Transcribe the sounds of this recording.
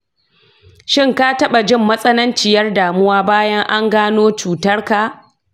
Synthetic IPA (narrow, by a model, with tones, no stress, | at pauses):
ʃɪ˦ŋka˦tɐ˦ɓa˨d͡ʒɪ˦˨mːɐ˦sʼɐ˦nɐ˦nt͡ʃɪ˨jɐ˦rdaː˨mʊ˦waː˦baː˦jɐ˦ŋʔa˦ŋɡaː˦noː˦t͡ʃuː˨tɐ˦rka˨